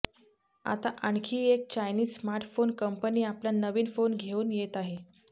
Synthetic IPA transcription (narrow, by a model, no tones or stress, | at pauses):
a̰t̪aʔaɳkʰiːek̚t͡ɕajniːzsmaɾʈfonkəmpəniːapljanəʋiːnfonɡʱeuːnjet̪aɦe